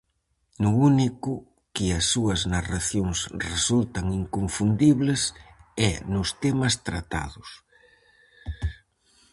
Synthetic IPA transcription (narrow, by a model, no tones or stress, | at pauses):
nʊunikʊ | kɪɐsːuɐznaraθjoŋsresult̪ɐŋiŋkoɱfund̪iβlɪsɛnʊst̪emɐst̪ɾat̪a̰ðʊs